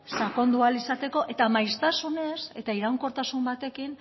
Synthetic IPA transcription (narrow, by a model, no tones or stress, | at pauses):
sako̞nd̪ualisat̪e̞ko̞ʔe̞t̪amajst̪asune̞se̞t̪aiɾawŋko̞ɾt̪asumbat̪e̞kin